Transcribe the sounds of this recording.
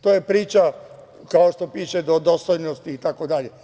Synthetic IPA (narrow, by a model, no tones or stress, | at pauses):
t̪ojepɾiːt͡ʃa | kaoʃt̪o̞piːʃed̪od̪ost̪ojnost̪iːt̪akod̪aʎe